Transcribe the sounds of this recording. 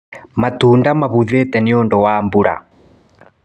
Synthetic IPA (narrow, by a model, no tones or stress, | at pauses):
matundamaβuðɛt̪ɛniɔndɔwaːmbuɾa̰